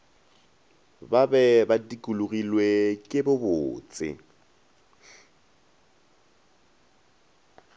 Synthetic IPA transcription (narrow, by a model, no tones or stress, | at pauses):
babɛbadikʼuluɣilwekʼɪbʊbʊːt͡sʼɪ̰